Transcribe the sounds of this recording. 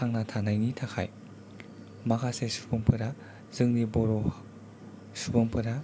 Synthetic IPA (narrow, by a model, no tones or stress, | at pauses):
aŋnatʰanajnitʰakʰa̰j | makʰasesu̥bɯmpʰɯɾa | z̥ɯŋniboɾo | subɯmpʰɯɾa